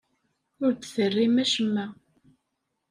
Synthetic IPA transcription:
ʊɾd̪θərːimæʃəmːæ

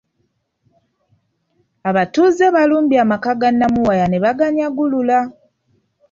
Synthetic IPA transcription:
aβatuzeβaluːmbiamakaɡanːamuwajaneβaɡaɲjaɡulula

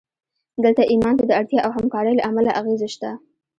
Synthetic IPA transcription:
d̪əlt̪aʔimɑnt̪ad̪əaɽt̪jɑʔawɦamkɑɾəjla̰ʔamalaʔaɣezaʃt̪a

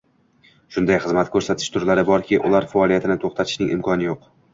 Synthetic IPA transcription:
ʃʊnd̪ajχɨzmat̪kʰɵɾsat̪ʰɪ̥ʃt̪ʰʊɾlaɾɪbɒɾkʲʰɪʔʊ̰lˠaɾfaɒlˠijat̪ʰɪnɪt̪ʰoχt̪ʰat̪ʰɪʃnɪŋʔɪ̰mkʰɒnɪjoq

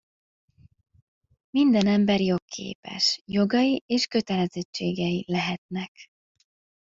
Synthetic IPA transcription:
mind̪ɛnɛmbɛrjo̞kːʰḛːpɛ̰ʃjo̞ɡɒjiʔeːʃkø̞t̪ɛlɛzɛt͡ʃːḛːɡɛjilɛɦɛt̪nɛk

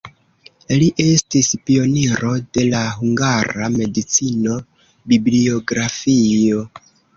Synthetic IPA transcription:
liʔe̞stispio̞niɾo̞de̞laɦuŋɡaɾame̞dit͡sino̞ | biblio̞ɡɾafio̞

